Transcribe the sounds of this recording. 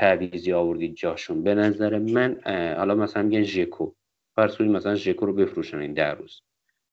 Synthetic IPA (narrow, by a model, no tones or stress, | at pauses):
t̪ʰæbiziːɒːvo̞ɾd̪iːd̪̚d͡ʒɒːʃunbe̞næzæɾemænhɒːlɒːmæsælænmiɡænʒekʰo | fæɾskoiːmæsælænʒekʰoɾobe̞fɾuːʃænind̪æ̰ruːz̥